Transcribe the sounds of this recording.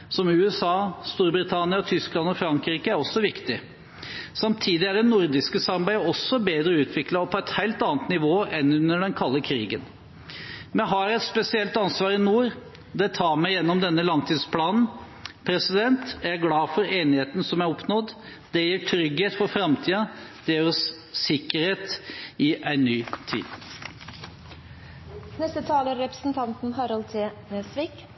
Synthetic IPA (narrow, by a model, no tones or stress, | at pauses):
sɔmʉːɛsɑːst̪uːɾbɾɪt̪ʰɑnɪɑt̪ʰʏsklɑnɔfɾɑŋkɾiːkəæɾɔsːɔʋɪkt̪ɪ | sɑmt̪ʰiːd̪ɪæɖɛnːʊɾd̪ɪskəsɑɾbæɪəɔsːɔbeːd̪ɾəʉːt̪ʰʋɪklɑpʰɔɛt̪hæɪlt̪ɑːnət̪nɪʋoːɛnʉnːəɖɛnkʰɑlːəkʰɾiːɡən | mɛɦɑjɛt̪spɛsɪɛlt̪ɑnsʋɑːɾɪnuːɾ | d̪ɛt̪ʰɑːɾmɛɪjɛnːɔmd̪ɛnːəlɑŋt̪ʰiːd̪spʰlɑːnn̩ | pʰɾɛsɪd̪ɛnt̪ææɡlɑːfɔɾeːnɪheːt̪nsɔmæɾɔpnɔd̪ | d̪ɛjiːʈʰɾʏɡheːt̪fɔɾfɾɑmt̪ʰiːɑd̪̥eːɾəsː | ɪkːəɾheːt̪ɪʔæɪnnːyːt̪ʰḭːd̪̥ | nɛst̪ət̪ʰɑːləɾɛpɾə̥sn̩t̪ʰɑnt̪n̩ɦɑɾɑlt̪ʰeːnesʋiːk